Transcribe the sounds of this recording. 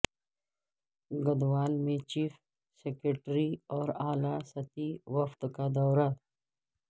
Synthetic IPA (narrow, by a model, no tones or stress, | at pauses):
ɡɐd̪waːlmẽt͡ʃiːf | sekɾeʈɾiɔːɾaːlasɐt̪iwɐft̪kad̪ɔːɾa